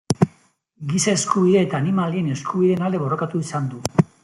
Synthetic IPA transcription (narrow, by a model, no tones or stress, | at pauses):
ɡisae̞skuβiðe̞ːt̪aːnimalie̞ne̞skʰuβ̞iðe̞ːnald̪e̞βo̞rokat̪uisand̪u